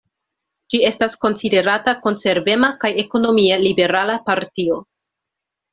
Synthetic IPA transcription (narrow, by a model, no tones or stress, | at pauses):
d͡ʒie̞stasko̞nside̞ɾatako̞nse̞ɾve̞makajeko̞no̞mielibe̞ɾalapaɾtio̞